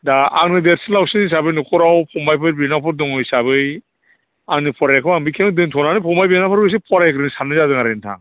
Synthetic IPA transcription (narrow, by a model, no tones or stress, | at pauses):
daa̰ŋnɯdeɾsinlawsɯnis̬abɯjnukʰɔɾawpʰɔmajpʰɯɾbinapʰɔɾdɔŋɯjsaβɯj | aŋnɯpʰɔɾajkʰɯambikʰemɯdɯŋtʰɔnanɯpʰɔmajbinapʰɯɾɯs̬ipʰɔɾajkʰɯɾɯnisamnɯzazɯŋaɾentʰa̰ŋ